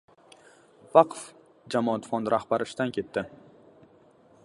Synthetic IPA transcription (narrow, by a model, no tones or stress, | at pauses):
vɑqʰf | d͡ʒamɒat̪fɒnd̪ɾʔahbaɾɪʃt̪ankʲʰe̞t̪ʰːɪ